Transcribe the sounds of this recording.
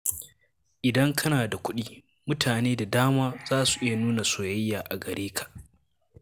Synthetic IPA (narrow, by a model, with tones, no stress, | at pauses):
ʔɪ˨dɐ˦ŋkʰɐ˦naː˨da˨kʷʊ˦ɗiː˦ | mʊ˦tʰaː˨neː˦da˨daː˦maː˦z̥aː˦su̥˨ʔɪ˦ja˨nuː˦na˨soː˨jɐ˦jːaː˨ʔa˨ɡɐ˨ɾeː˦kʰḁ˨ʔ